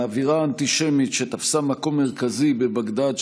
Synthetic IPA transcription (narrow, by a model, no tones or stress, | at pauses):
aviʁaːnt̪iʃemit̪ʃet̪afsamako̞mːeʁ̞kazibe̞baɡd̪ad